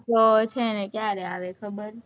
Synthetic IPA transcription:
ot͡ʃʰenekjaɾeaʋekʰəbəɾ

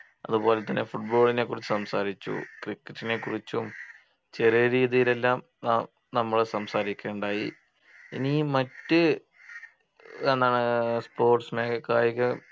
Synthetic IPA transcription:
ɐðubo̞ːlet̪ːɐnːe̞fuʈ̚bo̞ːɭine̞kːurit͡ɕːusɐmsaːɾit͡ɕːṵkrikːɐʈːine̞kːurit͡ɕːum | t͡ɕe̞rijɐɾiːðijile̞lːaːm | naː | nɐmːɐɭsɐmsaːɾikʲːeːɳɖaːji | inimɐtːɨ | enːaːɳɨspo̞ːrʈsmeːkɐkːaːjɐkɨ

